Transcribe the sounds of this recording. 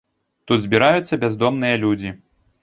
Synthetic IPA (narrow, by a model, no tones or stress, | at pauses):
t̪ud̪zʲbʲiɾajut̪sːɐbʲɛazd̪ɔmnɨjɐlʲud͡zʲi